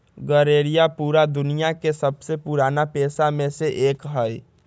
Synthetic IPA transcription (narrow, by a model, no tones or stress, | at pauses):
ɡəɾeːɾijapuːɾad̪ʊnijakesəbsepuɾaːnapeːsamẽseʔeːkɦəi